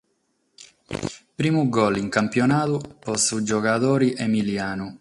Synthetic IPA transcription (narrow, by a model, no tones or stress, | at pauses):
pɾiːmuɡɔliŋkampjɔnaːt̪upɔsud͡ʒɔkat̪ɔːɾiʔemiljaːnu